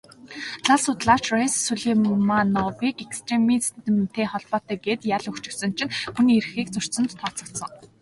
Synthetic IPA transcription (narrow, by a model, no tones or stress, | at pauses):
ɮaɮsʊt̪ɮaːt͡ɕressuɮiːmanɔwiːkekst̪ʰremiːst̪ɘ̆mt̪ʰeːχɔɮpɔːt̪æːɡet̪jaɮɵkt͡ɕɪ̆ksɵ̆nt͡ɕʰɪ̆nxuniːrxiːkt͡sɵr̥sɵ̆nt̪t̪ʰɔːt͡sɞ̆kt̪sɞ̆ŋ